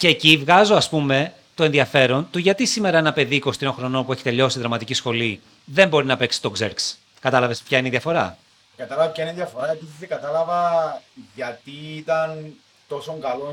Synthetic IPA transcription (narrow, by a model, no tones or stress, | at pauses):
ce̞ːcivɣɐzo̞ɐspume̞ | t̪o̞e̞nðiɐfe̞ɾo̞nt̪uʝɐt̪isime̞ɾɐenɐpe̞ðiːko̞st̪iɾo̞ŋxɾo̞no̞npue̞çit̪e̞ʎo̞siðɾɐmɐt̪icisxo̞li | ðe̞mbo̞ɾinɐpe̞ksi̥t̪o̞ɡzḛɾks | kɐt̪ɐlɐve̞spçɐineiðiɐfo̞ɾɐ̰ | kɐt̪ɐlɐvɐpçɐineðjɐfoɾɐepiθizðekɐt̪ɐlɐvɐ | ʝɐt̪iːt̪ɐn | t̪o̞soŋɡɐlo